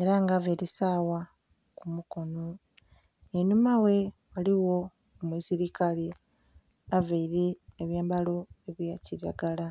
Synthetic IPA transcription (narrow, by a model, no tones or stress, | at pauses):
e̞ɾaŋɡaveɾisaːwa | kumuko̞no̞ | enumawe̞waliwo̞ | mwiːsiɾikali | aveiɾeːβjaːmbalo̞eβjaciɾa̰ɡala